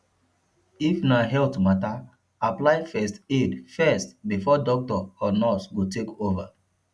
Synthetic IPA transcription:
ifnaɦɛltumata | aplaɪfɛstedfɛstbifɔdɔk̚tɔɔnɔsɡotekova

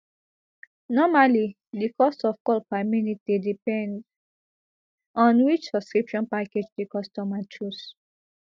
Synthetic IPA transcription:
nɔmali | dikɔstɔfkɔlpaɪminitidipɛ̃nd | ɔ̃nwit͡ʃsɔbskɹipʃɔ̃npaked͡ʒdikɔstɔmat͡ʃus

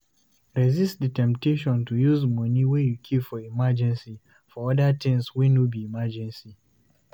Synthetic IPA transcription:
ɹɛzistditɛ̃mp̚teʃɔ̃ntujuzmɔniwɛjukʰipfɔimad͡ʒɛ̃nsi | fɔɔdatʰɛ̃ŋswinubiimad͡ʒɛ̃nsi

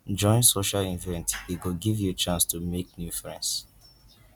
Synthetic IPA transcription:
d͡ʒɔ̃ɪ̃nsoʃalĩnvɛ̃ntiɡuɡivjut͡ʃãnstʰumeknjufɹɛ̰̃ns

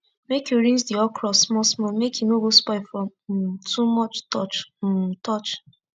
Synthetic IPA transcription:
mekjuɹĩnd͡ʒdiɔkʰɹɔsmɔsmɔmekʰjunobospaɪfɹɔ̃m̩tʰumɔt͡ʃtɔt͡ʃ̩tʰɔt͡ʃ

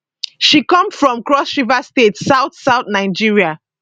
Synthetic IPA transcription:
ʃikɔ̃msfɹɔ̃mkɹɔsʃivastetsaʊθsaʊtnaɪd͡ʒiɹia

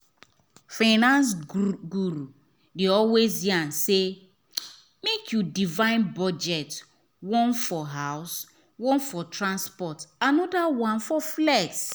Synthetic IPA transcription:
faɪnãns̬ɡuɾu | deɔlwezjãnse | mekʰjudivãɪ̃nbɔd͡ʒɛt | wɔ̃nfɔɦaʊs | wɔ̃nfɔtɾãnspɔtanɔdawãnfɔflɛɡs

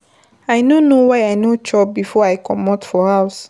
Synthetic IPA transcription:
aɪnonowajajnot͡ʃɔp̚bifɔajkʰɔmɔtfɔhaʊs

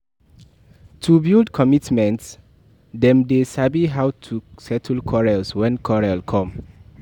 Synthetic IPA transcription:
tʰubildkʰɔmitmɛ̃nts | dɛ̃mdesabiɦawtʰusɛtʰl̩kʰɔɹɛlswɛ̃nkʰɔɹɛlkʰɔ̃m

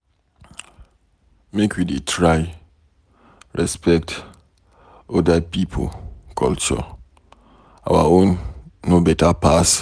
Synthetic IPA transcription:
mekʰwidetʰɹaj | ɹɛspɛkt | ɔdapipʰo̰kʰɔlt͡ʃɔ̰ | a̰wa̰õnːobɛtapas

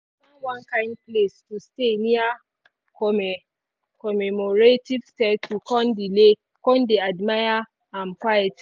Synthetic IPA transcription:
ɔwãnkãnplestustenĩa | kɔmɛ | kɔmɛmɔɹetivstɛtʰukɔ̃ndile | kɔ̃ndeadmaja | ãmkwajɛt

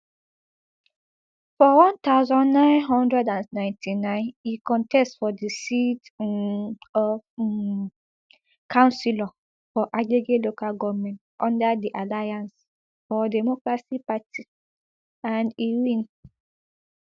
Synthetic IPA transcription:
fɔwɔ̃nt̪aʊzɔ̃nːãɪ̃nɦɔ̃ndɹɛdãnnãɪ̃ntʰinãɪ̃nikɔ̃ntɛstfɔdisit | ɔ | kãʊ̃nsilɔ | fɔʔaɡeɡelokaɡɔmɛ̃ntʔɔ̃ndadiʔalajãns | fɔdɛmɔkɹasipati | ãndiwĩn

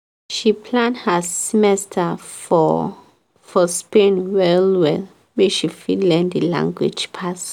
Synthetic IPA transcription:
ʃipʰlãndhəsimɛstʰafɔ | fɔspẽnwɛlwɛl | weʃifidlɛ̃ndilã̰ŋɡwḭd͡ʒpʰas

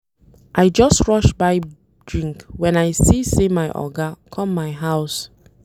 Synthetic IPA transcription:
ʔaɪd͡ʒʌstɹɔʃbaɪ | d̥ɹĩŋkwɛ̃naɪsisemaɪʔɔ̰ɡakʰɔ̃mːaɪɦaʊs

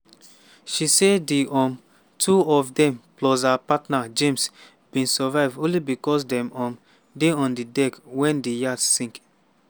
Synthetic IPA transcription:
ʃisediʔɔ̃m | tʰuɔvdɛ̃mplɔzapatnad͡ʒẽms | b̥ĩnsavaɪvdõnlibikɔsdɛ̃mɔ̃m | deɔ̃ndidɛkwɛ̃ndijadsːĩŋk

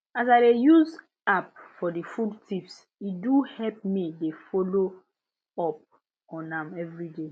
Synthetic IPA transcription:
azaɪdejuz | ap̚fɔdifudtʰifs | iduhɛlp̚midefolo | ɔp̚ | ɔ̃nãmɛvɹide

